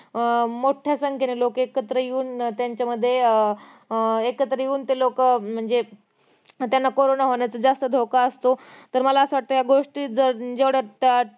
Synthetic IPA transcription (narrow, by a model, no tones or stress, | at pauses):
moʈʰjasəŋkʰenelokekət̪ɾəjeuːnt̪jaɲt͡ɕaməd̪ʱːje | ekət̪ɾəjeuːnt̪elokm̤əɳd͡ze | t̪janːakoɾonaɦoɳjat͡səd͡zast̪əd̪ʱokaəst̪ot̪əɾməlaəsʋaʈ̚t̪ojaɡoʂʈiːd͡zəɾd͡zeʋɽat̪ja